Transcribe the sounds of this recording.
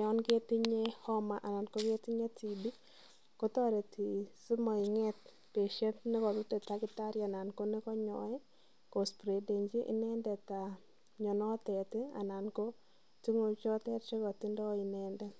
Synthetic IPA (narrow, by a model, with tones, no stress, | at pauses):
ɔ˦nɡe˦ti˦ɲe˦hɔ˦ma˨ʔa˨na˨nko˦ɡe˦ti˦ɲe˦ti˨bi˦ | ko˦tɔ˦ɾe˨tʰi˨si˦mɔ˨ɪ˨ŋɛ˦t̚ | pe˨ʃe˦ntnɪ˦kɔ˨tu˦te˨ta˨˦ɡɪ˨ta˦ɾja˨na˨nko˦ne˦kɔ˦ɲɔ̰˨ɛ˦ | ko˨spɾe˨de˨ɲd͡ʒi˦ʔḭ˦nɛ˦ndɛ˨ta˨ | ɲɔ˨nɔ˦tɛ˨tɪ˦a̰˨na˨nko˦ | ti˦ŋo˦t͡ʃɔ˦tɛ˦tt͡ʃe˦kɔ˨ti˦ndɔ˦i˨nɛ˦ndɛ˦